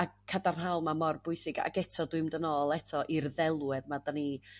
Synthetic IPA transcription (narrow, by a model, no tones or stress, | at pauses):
akʰːadarnɦawlˠmamɔrbʊɨsɪɡa̰ɡɛtʰɔdwɨmdənoːlˠɛtʰɔʔirðɛlˠwɛðmadani